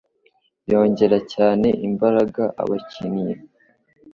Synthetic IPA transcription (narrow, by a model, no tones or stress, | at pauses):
jo̞ːɲɟe̞ɾacaːne̞ʔimbaɾaɡaʔa̰βacinije